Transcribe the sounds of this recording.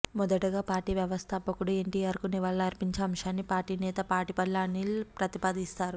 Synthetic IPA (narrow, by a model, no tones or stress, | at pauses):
mɔd̪ɐʈuɡaːpaːɾʈiːʋjɐʋɐst̪ʰɐpːɐkuɽueɳʈiːjaːɾkuniʋɐɭːɐːɾpiɲt͡ʃɐɐmʂaːnːipaːɾʈiːnɛːt̪ɐpaːɾʈipɐlːaːnilpɾɐt̪ipaːd̪ist̪aːɾu